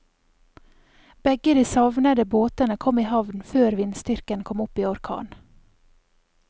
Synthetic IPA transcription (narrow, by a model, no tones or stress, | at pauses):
b̥ɛɡəd̪iːsɑʋnəd̪əboːt̪ənəkʰɔmiːhɑʋnføːɾʋɪnst̪ʏɾkənkʰɔmʊpiːɔɾkʰɑ̰ːn